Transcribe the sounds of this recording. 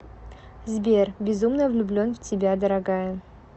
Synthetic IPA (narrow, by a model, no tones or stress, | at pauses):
zbʲerbʲɪzumnəvlʲublʲonvʲtʲɪbʲad̪əɾaɡajə